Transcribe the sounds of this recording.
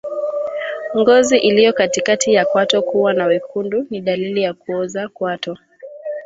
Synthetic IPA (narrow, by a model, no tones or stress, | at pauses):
ŋɡɔziʔilijɔkatikatijakwatɔkuwanawikʰunduniɗalilijakuɔzakwatɔ